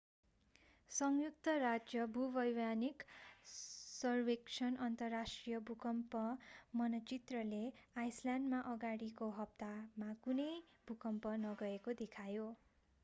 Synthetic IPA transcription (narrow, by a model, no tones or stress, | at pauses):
sʌŋjuk̚t̪ʌrad͡zjʌbʱubʌjwanik | sʌrweksʰʌnʌnt̪ʌrːasʈrijʌbʱukʌmpʌmʌnʌt͡sit̪rʌleajsljandmaʔʌɡaɽikoɦʌp̚t̪amakunʌj | bʱukʌmpʌnʌɡʌekod̪ekʰajo